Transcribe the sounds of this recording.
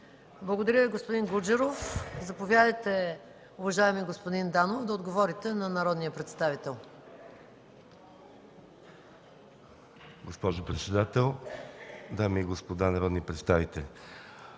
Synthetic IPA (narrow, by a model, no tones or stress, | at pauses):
blˠəɡod̪ɐɾʲjəviɡospod̪iŋɡud͡ʒɛɾofzɐpovʲjad̪əjt̪ɛ | ʊvɐʒaɛmiɡospod̪ind̪anovd̪ɐod̪ɡovɔɾit̪ɛnɐnɐɾɔd̪nijəpɾɛt̪st̪avit̪ɛlˠ | ɡospɔʒopɾɛt̪sɛd̪at̪ɛlˠ | d̪amiːɡospod̪anɐɾɔd̪nipɾɛt̪st̪avit̪ɛlʲ